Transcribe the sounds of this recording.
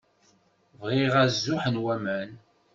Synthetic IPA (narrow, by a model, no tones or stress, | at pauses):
vʁiʁæzːʊħənwæmæn